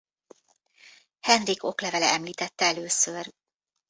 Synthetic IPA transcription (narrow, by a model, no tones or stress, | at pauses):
hɛnriko̞klɛvɛlɛɛmliːt̪ɛt̪ːɛɛløːsør